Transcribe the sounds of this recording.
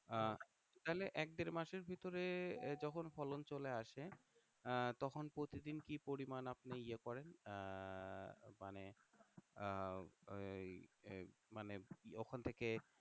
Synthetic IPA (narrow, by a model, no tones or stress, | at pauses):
t̪aɦeleʔɛk̚d̪eɾmaʃeɾbʱit̪oɾed͡ʑɔkʰonfɔlont͡ɕoleaʃe | t̪ɔkʰonpɾot̪id̪inkipoɾimanapneiekɔɾen | mane | maneɔkʰant̪ʰeke